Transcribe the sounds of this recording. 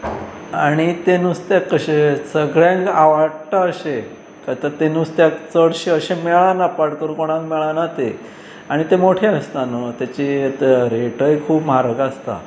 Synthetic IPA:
aɽ̃it̪enust̪jakəɕesəɡɭjãŋaʋaɽt̪aəɕe | kat̪ət̪enust̪jakt͡səɽɕeəɕemɛɭanapaɽk̪əɾkoɽ̃ãkmɛɭanat̪e | aɽ̃it̪emoʈʰeəst̪anət̪jat͡ɕit̪ɾeʈəjkʰuːpm̤aɾəkast̪a̰

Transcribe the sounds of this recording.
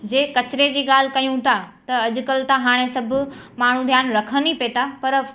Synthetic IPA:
d͡ʑeːkɐt͡ɕɪɾed͡ʑiːɠaːl̤kɐjũt̪ʰat̪ɐɐʄʊ̆kəlt̪aɦaːɽ̃esɐbʱʊ̆maːɳ̤ũd̪ʱjaːnɾɐkʰənipet̪apɐɾ

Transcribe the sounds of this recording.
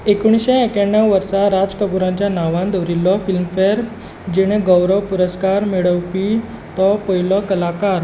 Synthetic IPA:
ekuɽ̃isɕẽekaɳjaʋʋəɾsaɾad͡zkəbuɾãɲt͡ɕjanaʋãnd̪əɾilːɔfilmfeɾ | d͡ʑeɽ̃eɡɔwɾəʋpuɾəskaɾmeɭəwpi | t̪ɔpəɦilɔkəlakaɾ

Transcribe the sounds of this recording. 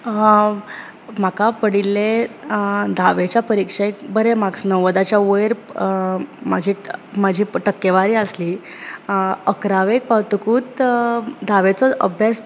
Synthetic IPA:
m̤akapəɽilːe | d̪ʱaʋet͡ɕjapəɾikʂekbəɾemaɡsnəʋəd̪at͡ɕjaojɾ | mad͡ʑʱiːmad͡ʑʱiːʈəkːeʋaɾiːəsliː | əkɾaʋek̚pawt̪əkuːt̪ | d̪ʱaʋet͡sɔʔə̰bʱjas

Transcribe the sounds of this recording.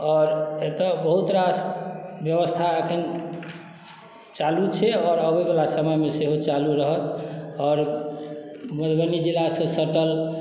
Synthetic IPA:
ɔːɾet̪ɔbəɦut̪ɾasbjəβəst̪ʰaekʰən | t͡ʃalut͡ʃʰɛɔːɾəbebelasəməjmeseɦot͡ʃaluɾəɦət̪ɔːɾ | məd̪bənid͡ʒilasə̃səʈəl

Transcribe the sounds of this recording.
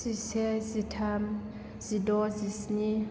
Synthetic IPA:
isɛzitʰam | z̥idɔzisni

